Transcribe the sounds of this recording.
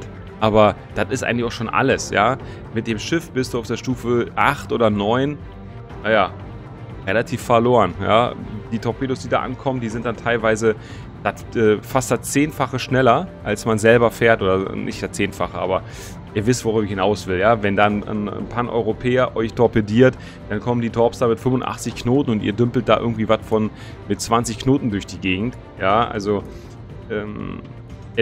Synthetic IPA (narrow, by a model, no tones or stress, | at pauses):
t | ʔaːbɐ | d̥atɪstʔaɪŋ̩tlɪçaʊʃoːnʔa̰ləsja̰ː | mɪt̚d̥eːmʃɪfb̥ɪstd̥uːaʊfd̥eːɐʃtuːfəʔaχtʔoːdɐnɔʏn | najaː | ʁelatʰiːfːɛɐloːʁənja̰ːd̥iːtʰɔpʰeːdosd̥iːda̰ːʔa̰nkʰɔməndiːzɪnt̚d̥antʰaɪlvaɪzə | d̥at | ʔɛːfastd̥at͡seːnfaχəʃnɛlɐʔalsmanzɛlbɐfeːɐtʔoːdɐnʔɪ̰çtd̥at͡seːnfaχəʔa̰ːbɐ | ʔiːɐvɪstv̥oʁybɐɪçhɪnaʊsv̥ɪljaːvɛndaːn̰npʰanʔɔ̰ʏʁopʰɛːɐʔɔʏçtʰɔɐpediːɐt | d̥ankʰɔməndiːtʰɔɐpsd̥aːmɪtfʏmʊntʔa̰χt͡sɪçknoːtn̩ʊntʔiːɐdʏmpl̩t̚d̥aːʔɪ̰ɐɡŋ̩tv̥iːvatfɔn | mɪt̚t͡sv̥ant͡sɪçkʰnoːtn̩dʊɐçd̥iːɡeːɡŋ̩t | jaːʔa̰lzo | ʔɛːm